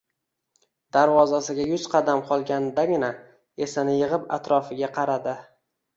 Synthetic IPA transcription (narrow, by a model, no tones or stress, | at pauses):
d̪aɾvɒzasɪɡʲajʊzqʰɑd̪amqʰɒlˠɡʲanɪd̪aɡʲɪna | e̞sanɪjɪʁɪpa̰t̪ɾɒfɪɡʲaqʰɑɾad̪ɪ